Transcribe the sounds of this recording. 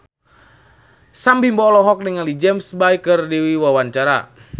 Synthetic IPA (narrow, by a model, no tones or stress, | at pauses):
sambimbɔlɔɦɔk̚niŋalid͡ʒɛmsbajkɨrdiwiwawaɲt͡ʃaɾa̰